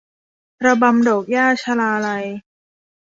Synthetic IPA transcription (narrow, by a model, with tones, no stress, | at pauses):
pɾa˧ba˧mdoː˨˩k̚jaː˥˩t͡ɕʰa˧laː˧la˧j